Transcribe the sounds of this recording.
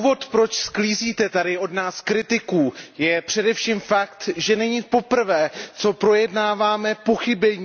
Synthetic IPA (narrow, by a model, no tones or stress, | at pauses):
uvo̞t̪pɾo̞t͡ʃskliːziːt̪ɛt̪adɪo̞dnaːskɾɪt̪ɪkuːjɛpr̝̥ɛdɛfʃiːmfakt̪ʒɛnɛɲiːpo̞pr̩vɛːt͡so̞pɾo̞jɛdnaːvaːmɛpo̞xɪbɛɲ